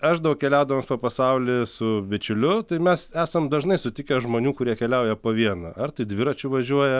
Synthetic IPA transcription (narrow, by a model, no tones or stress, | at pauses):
ɐʃd̪ɐʋʊkkʲɛlʲæʊd̪ɐʋoːmspoːpɐsɐʊlʲɪsʊbʲɪt͡ʃʲʊlʲʊt̪ɐɪmʲɛsæːsɐmd̪ɐʒnɐɪsʊt̪ʲɪkʲɛʒmoːnʲuːkʊɾʲiɛkʲɛlʲɛʊjɛpoːʋʲiɛnɐʔɐrt̪ɐɪd̪ʲʋʲɪɾɐt͡ʃʲʊʋɐʒʲuɔjɛ